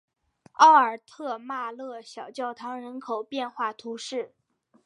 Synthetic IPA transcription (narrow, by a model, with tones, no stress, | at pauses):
ɑ˥˩ʊə˞˨˩t̪ʰɤ˥˧ma˥˧lɤ˥˩ɕjɑ˨˩ʊt͡ɕjɑ˥˩ʊt̪ʰɑ˧˥ŋɻə˧˥nkʰo˨˩ʊpjɛ˥˧nxwa˥˩t̪ʰu˧˥ʂɻ̩˥˩